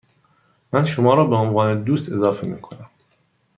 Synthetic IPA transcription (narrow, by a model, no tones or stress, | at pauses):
mænʃomɒːɾɒːbeonvɒːned̪uːst̪e̞zɒːfemḭːkʰo̞næm